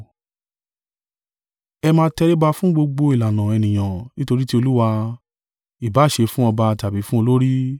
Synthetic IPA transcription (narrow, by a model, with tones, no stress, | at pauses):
ɛ˧mãː˧˦tɛ˧ɾe˦ba˧fũ˦ɡ͡bo˧ɡ͡bo˧i˨la˨nã˨ɛ˨nĩ˨j̃ã˨nĩ˦to˧ɾi˦ti˦o˧lu˦wa˧ | i˨ba˨˦˨ʃe˧fũ˦ɔ˧ba˧˨ta˨bi˨˦fũ˦o˧lo˦ɾi˦